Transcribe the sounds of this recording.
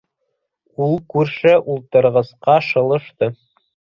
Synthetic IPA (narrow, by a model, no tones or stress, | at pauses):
ulˠkʉɾʃɘʔulˠt̪ɤ̆ɾʁɤ̆sqɑʃɤ̆lˠɤ̆ʃt̪ɤ